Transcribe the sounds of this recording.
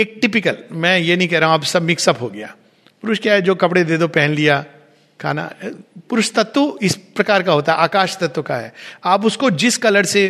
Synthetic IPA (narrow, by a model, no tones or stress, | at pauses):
eːk̚ʈɪpɪkəlmɛ̃jenɐɦĩkɛɦɾaːɦũaːpsɐbmɪksɐbɦoɡɐja̰ː | pʊɾʊʃkjaːɦɛd͡ʒoːkɐpɽed̪eːd̪opɛɦɛ̃nlija | kʰa̰ːna̰pʊɾʊʃt̪ɐt̪wəɪspɾɐkaːɾkaɦoːt̪aɦɛʔaːkaːʃt̪ɐt̪wkaɦɛ̰ːaːpʊskod͡ʒɪskɐləɽse